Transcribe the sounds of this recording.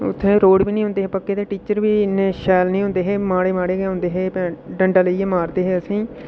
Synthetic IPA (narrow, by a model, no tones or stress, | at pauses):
ʊ̰t̪ʰːẽːɾoːɽʋiːnĩɦõːnd̪eːɦeːpəkːeːt̪eːʈiːt͡ʃəɾʋiːnẽːʃɛːlnĩːɦʊ̃nd̪eːɦeːmaːɽeːmaːɽeːɡeːɦʊ̃ːnd̪eːɦeːpɛ̃ːɖəɳɖaːləieːmaːɾd̪eːɦeːəsĩː